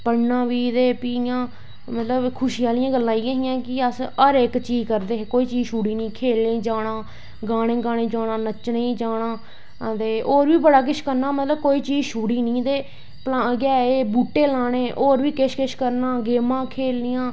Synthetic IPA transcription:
pəɽnãːʋiːd̪eːpiːjãː | mət̪ləbkʰʊʃɪjaːlɪjãːɡəlːãːiːãːɦɪjãːkɪəsəɾɪkt͡ʃiːzkəɾd̪eːɦekoːiːt͡ʃiːzʃuːɽiːnĩːkʰeːlẽːd͡ʒaːɽ̃ãː | ɡaːɽ̃ẽːɡaːɽ̃ẽːd͡ʒaːɽãːnət͡ʃnəĩːd͡ʒaːɳãː | t̪eːʔoːɾʋiːbəɽaːk̬ɪʃkəɾnaːmət̪ləb̚koːiːt͡ʃiːzʃuːɽiːnĩːd̪eː | plaɡɛːeːbuːʈːeːlaːɽ̃eːʔoːɾʋiːkɪʃkɪʃkəɾnaːɡeːmãːkʰeːlːɪjãː

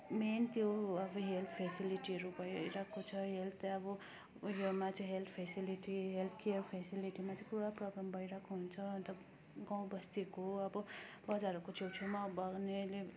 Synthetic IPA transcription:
ment̪joʌbʌɦelt̪ʰpʰesiliʈiɾubʌiɾakʰot͡sʰʌɦelt̪ʰʌbʌ | jomat͡sʌ̃ɦelt̪ʰpʰesiliʈiɦelt̪ʰkeəɾpʰesiliʈimat͡skuɽaprɔɡɾambʌiɾakʰoɦunt͡sʰʌːnt̪ʌ | ɡaw̃bʌst̪ikoʌbʌ | bʌd͡zaɾɔkot͡ʃʰet͡sʰumabʌɡnele

